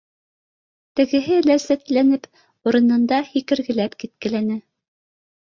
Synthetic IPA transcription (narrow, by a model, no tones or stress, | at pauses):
t̪ɘ̆ɡɘ̆ɦɘlæsæt̪lænɘp | uɾɤ̆nɤ̆nd̪ɑhikɘ̆ɾɡɘ̆læpkit̪̚kɘ̆lænɘ